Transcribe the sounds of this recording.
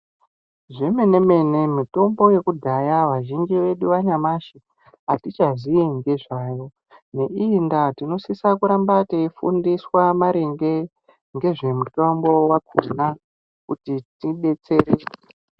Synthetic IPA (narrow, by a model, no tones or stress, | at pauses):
ʐe̞me̞neme̞ne̞mito̞mbo̞je̞kudʱajaʋaʒind͡ʒiʋe̞ɗuʋaɲamaʃi | atit͡ʃaʐiiŋɡe̞ʐaːjo̞ | ne̞ʔiːndatino̞sisakuɾambateifṵndiswamaɾeŋɡe̞ | ŋɡe̞ʐe̞mutombo̞wakʰuna | kutitiɓe̞t͡se̞ɾe